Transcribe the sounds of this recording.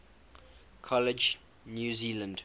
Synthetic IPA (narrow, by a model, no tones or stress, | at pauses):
kʰɔlɪd͡ʒ | njuːziːlə̃nd